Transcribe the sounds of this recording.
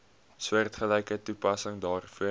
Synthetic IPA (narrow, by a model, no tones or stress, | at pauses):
swərtχəlɛjkətupɐsəŋdɑːrfuə